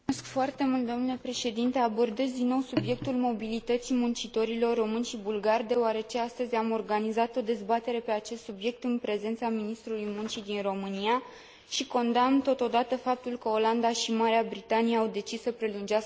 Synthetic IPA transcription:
skfoart̪e̞mult̪̚d̪o̞mnule̞pɾeʃe̞d̪int̪e̞abo̞rd̪ezd̪inːo̞wsubje̞k̚t̪ulmo̞bilit̪ət̪simunt͡ʃit̪o̞ɾilo̞rːo̞mɨnʃibulɡard̪e̞oaɾe̞t͡ʃe̞ast̪əzʲamo̞rɡanizat̪o̞d̪e̞zbat̪e̞ɾe̞pe̞at͡ʃe̞st̪subje̞k̚t̪ɨnpɾe̞ze̞nt̪saminist̪ɾulujmunt͡ʃid̪inro̞mɨnia | ʃiko̞nd̪amt̪o̞t̪o̞d̪at̪əfap̚t̪ulkəo̞land̪aʃimaɾeabɾit̪anijeawd̪e̞t͡ʃisːəpɾe̞lund͡ʒas

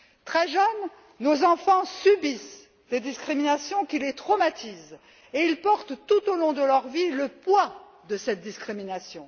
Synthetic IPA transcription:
t̪χɛʒənː | ozɑ̃fɑ̃sybis | d̪ed̪iskχiminasjɔ̃kʲilet̪χɔmat̪ʰiz | eilpɔʁt̪t̪ut̪olɔ̃d̪əlœʁviləpwa | d̪əsɛt̪̚d̪iskχiminasjɔ̃

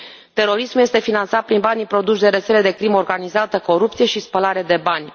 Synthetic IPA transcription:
t̪e̞ɾo̞ɾismulje̞st̪e̞finant̪sat̪̚pɾinbanʲipɾo̞d̪uʃd̪e̞ɾet̪se̞le̞d̪e̞kɾimo̞rɡanizat̪əko̞ɾup̚t̪sije̞ʃispəlaɾe̞d̪e̞banʲ

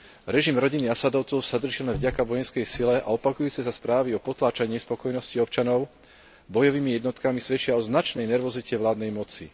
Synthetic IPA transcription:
ɾɛʒimɾɔɟiniasad̪ɔʊt͡sɔʊsad̪r̩ʒilɛnvɟakaʋɔjɛnskɛjsilɛʔa̰ɔpakujuːt͡sɛsaspɾaːʋiɔpɔt̪laːt͡ʃaɲɪɛspɔkɔjnɔsciɔp̚t͡ʃanɔʊ | bɔjɔʋiːmijɛd̪nɔt̪kamisʋɛt͡ʃɪaɔznat͡ʃnɛjnɛɾʋɔzicɛʋlaːd̪nɛjmɔt͡sḭ

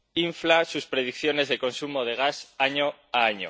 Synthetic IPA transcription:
iɱflasuspɾe̞ð̞ikθjo̞ne̞zðe̞ko̞nsumo̞ð̞e̞ɣ̞asaɲo̞aaɲo̰

